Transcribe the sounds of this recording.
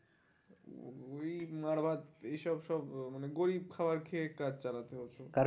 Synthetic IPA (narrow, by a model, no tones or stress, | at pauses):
ejmaɾbʱat̪ejʃɔbʃɔbmaneɡoɾib̚kʰabaɾkʰeekad͡ʑt͡ɕalat̪eɦotːt͡ɕʰokaɾ